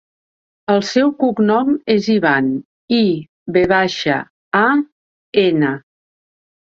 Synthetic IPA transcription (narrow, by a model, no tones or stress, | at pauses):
əlˠsɛwkuknɔmeziβan | i | βeβ̞aʃə̰ | a | enə